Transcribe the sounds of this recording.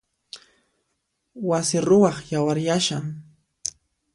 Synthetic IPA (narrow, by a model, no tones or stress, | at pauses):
wasɪɾʊwɑχjawaɾjaʃaŋ